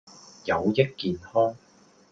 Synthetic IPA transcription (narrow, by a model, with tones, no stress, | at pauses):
jɐ˨˧wjɐ˥t̚kiː˨˧nhɔː˥ŋ